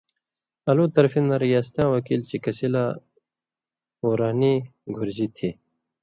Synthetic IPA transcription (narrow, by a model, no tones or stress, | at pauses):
ɐluːt̪ɐɾfinɐɾijaːst̪ãːwɐkiːlt͡ɕikɐsilaː | oːɾaːniɡʱʊɾd͡ʑit̪ʰiː